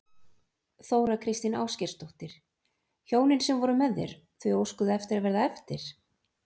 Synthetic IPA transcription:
θoːwɾakʰɾɪst̪ɪna̰ːwscɛɾ̥st̪oht̪ɪɾ̥ | çoːwnɪnsɛmvɔɾʏmɛðːɛ̰ɾ̥ | θvʏowskʏðʏɛft̪ɪɾaðvɛɾðaɛft̪ɪɾ̥

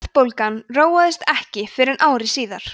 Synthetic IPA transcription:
ðpowlkanroːwaðɪst̪ɛhcɪfɪɾɪɾʔaːwɾɪsiːðaɾ̥

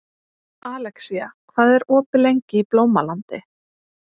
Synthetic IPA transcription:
aːlɛksiakʰvaːðɛɾɔːpɪlejɲcɪiplowmalant̪ɪ

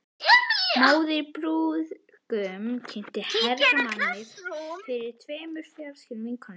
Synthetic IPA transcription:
moːwðɪɾpɾuːð | kʏmcʰɪn̥t̪ɪhɛɾamanːɪɾfɪɾɪɾ̥t̪ʰvɛːmʏɾ̥fjawɾscɪɾmiŋkʰɔn

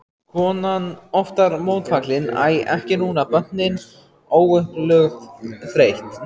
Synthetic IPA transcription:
kʰvɔːnanɔft̪aɾmoːwt̪faklɪna̰ːjɛ̰hcɪnuːnapœ̥nɪn | oːwʏhplœxt̪θɾejht̪

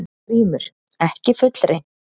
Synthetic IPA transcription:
n | riːmʏɾ̥ | ɛhcɪfʏt̪l̥ɾejn̥

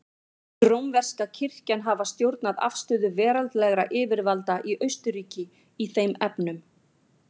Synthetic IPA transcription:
t̪ɾowmvɛr̥skacʰɪr̥cɛnɦavast̪jowɾt̪naða̰fst̪ʏːðʏvɛːɾalt̪lɛɣɾaʔɪːvɪɾvalt̪aʔiʔœɥst̪ʏɾiːcɪ | iθejmɛpnʏm

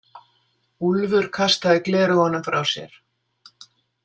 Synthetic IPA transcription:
ulvʏɾ̥kʰast̪aðɪklɛːɾʏhɔnːamfɾawsjɛ̰ɾ̥

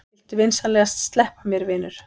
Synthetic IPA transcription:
ɪlt̪ɪvɪnsalɛɣast̪st̪lɛhpamjɛɾvɪːnʏɾ̥

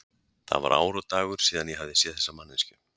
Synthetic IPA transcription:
θa̰va̰ɾʔa̰ːwɾʏt̪aːɣʏɾ̥siːðanjɛɦavðɪsjɛːðθɛ̥sːamanːɪnscʏ

